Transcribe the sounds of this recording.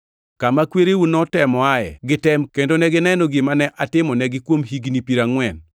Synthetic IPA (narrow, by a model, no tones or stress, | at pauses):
kamakweɾewunɔtɛmɔaɛ̰ɡɪtɛmkendonɛɡɪnɛnɔɡɪmanɛʔatɪmɔnɛɡɪkwomɦiɡnipiɾaŋwɛn